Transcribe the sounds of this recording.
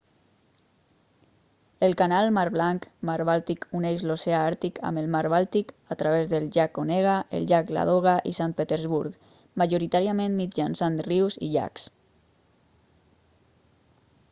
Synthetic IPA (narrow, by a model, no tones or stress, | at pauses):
əlkanalˠmaɾβlaŋkmaɾβalˠt̪ikuneʃloseaaɾt̪ika̰məlmaɾβalˠt̪ikat̪ɾaβezðəlʒakoneɣ̞aḛlʒakla̰ðoɣ̞aʔḭsant̪̚pet̪eɾzβuɾk | maʒoɾit̪aɾiamẽnmid͡ʒansanriwzḭʎa̰ks